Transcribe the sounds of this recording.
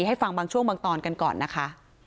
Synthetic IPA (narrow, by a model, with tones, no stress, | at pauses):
ɦa˥˩jfa˧ŋbaː˧ŋt͡ɕʰu˥˩əŋmaː˧ŋt̪ɔː˧nka˧nkɔ̰ː˨˩nːʔa˦˥kʰa˦˥ʔ